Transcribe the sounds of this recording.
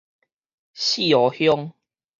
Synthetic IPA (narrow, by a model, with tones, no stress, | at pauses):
ɕi˥˨ɔ˨˦hjɔ˦ŋ